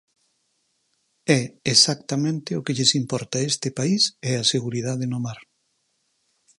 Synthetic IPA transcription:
ɛesak̚t̪amẽnt̪ɪokeʎesimpɔɾt̪aest̪ɪpaisɛaseɣuɾið̞aðenomaɾ

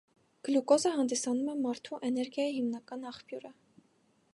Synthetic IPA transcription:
ɡ̥lukɔzəɦɑnd̪isɑnumɛmɑɾt̪ʰuʔɛnɛɾɡjɑjihimnɑkɑnɑχpjuɾə

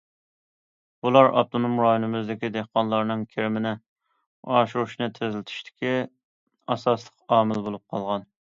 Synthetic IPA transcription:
bulˠɑɾɑ̰p̚t̪ʰɨnɨmuɾɑːnɪmɪzd̪ɪkʲid̪ehqɑnlˠɑɾnɨŋkʲʰeɾɪmɪnɪ | ɑːʃuɾuʃnɨt̪ʰɪzlɪt̪ʰy̥ʃt̪ʰɪ̥kʲi | ɑsɑslˠəqɑːmɪlbolˠup̚qʰɑlˠʁɑn

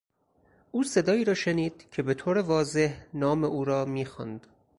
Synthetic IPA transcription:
ʔuːse̞d̪ɒːiːɾɒːʃeniːd̪̥̚cʰe̞be̞t̪ʰoːɾevɒːze̞hnɒːmeʔuːɾɒːmiːxɑ̰nd̪

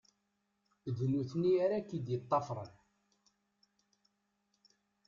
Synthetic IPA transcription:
ðnuθniaɾækːid̪jət̪ˤːɑfɾˤə̰n

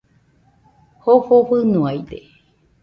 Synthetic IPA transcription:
hohoɸɨnuajde

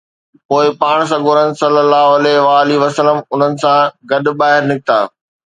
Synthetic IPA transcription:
poːɪpaːɽ̃s̬ɐɡʱoːɾənɪ̆sɐlːəlːaːɦʊɐlɛʋaːliʋɐsələmʊn̤ənɪ̆sãɡɐɗʊ̆baːɦɪɾnɪkɪt̪aː

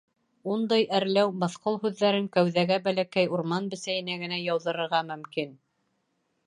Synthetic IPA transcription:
und̪ɑjæɾlæwmɤ̆θqolˠhʉðːæɾɘŋkæwðæɡæbælækæjuɾmɑnbɘ̆sæjɘ̆næɡɘ̆næjɑwðɤ̆ɾɤ̆ɾʁɑmɵ̆mkin

